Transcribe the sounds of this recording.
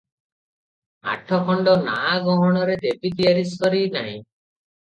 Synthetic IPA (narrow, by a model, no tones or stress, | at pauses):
a̰ʈʰɔkɔɳɖɔnaːɡɔɦɔɽ̃ɔɾed̪ebid̪ijaɾiskɔɾinaɦḭ̃